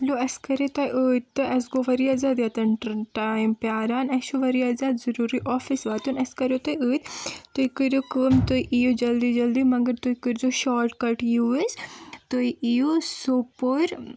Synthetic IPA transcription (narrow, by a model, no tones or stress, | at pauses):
loɐskɐɾet̪ɐjʔoːt̪ːɨʔɐsɡoʋɐɾiaːzaːd̪jɐt̪ɐnʈajmpjaːɾaːnɐʃoʋɐɾijaːzaːd̪zɐɾuːɾiʔɔːfisʋaːt̪unɐskɐɾot̪ojəːt̪t̪ujkɨɾjokɨmt̪uiʔijod͡ʒɐld̪id͡ʒɐld̪imɐɡɐɾt̪ujkɨɾzoʃaːɾʈkɐʈjuest̪oiijosopoɾ